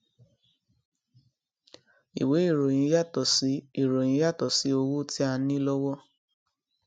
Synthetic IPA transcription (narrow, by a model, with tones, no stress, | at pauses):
ḭ˨we˨˦i˦˨ɾo˨j̃ĩ˨˧˦ja˦tɔ˨si˨˦i˦˨ɾo˨j̃ĩ˨˦ja˦˨tɔ˨si˨˦o˧wu˦ti˦a˧nĩ˦lɔ˦wɔ˦